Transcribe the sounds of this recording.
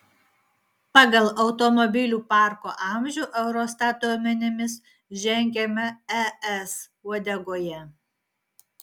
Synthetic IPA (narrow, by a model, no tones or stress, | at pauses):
pɑɡɐlˠɐʊt̪ɔmɔbʲɪlʲuːpɑˑɾkoːʔɑˑmʲʒʲʊːʔɛʊɾoːst̪ɑːt̪uɔmʲɛnʲɪmʲɪs | ʒʲɛŋʲɡʲɛmʲɛɛɛs | ud̪ʲɛɡoːjɛ